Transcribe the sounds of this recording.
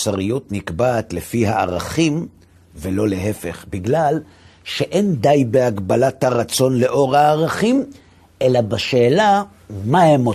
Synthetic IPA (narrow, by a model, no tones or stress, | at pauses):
saʁijot̪nikbaːt̪le̞fiɦa̰ːʁaχim | velo̞leɦe̞fe̞̰χbiɡlal | ʃe̞ʔe̞nd̪ajbeaɡbalat̪haʁat͡so̞nle̞ʔo̞ʁhaːʁaχim | ʔelabaʃeːla | mahemo